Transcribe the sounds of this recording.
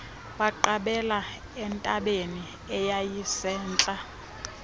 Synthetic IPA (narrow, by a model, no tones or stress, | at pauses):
ɓaǃaɓɛla | ɛntʼaɓeni | ɛjajisɛːnt͡ɬʼa